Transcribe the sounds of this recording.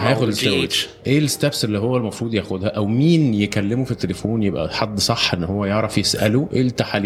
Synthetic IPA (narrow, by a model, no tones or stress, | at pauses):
hæjæːxod̪sæe | ʔeːlest̪æbsʔelːiːɦowːælmɑfɾˤuːd̪ˤjæːxod̪hæʔæwmiːnjekælːemufit̪ːelefoːnjebʔæ̰ħɑd̪ːsˤɑħːʔenːhowːæjeʕɾˤɑfjesʔæluʔeːlt̪aħalːiː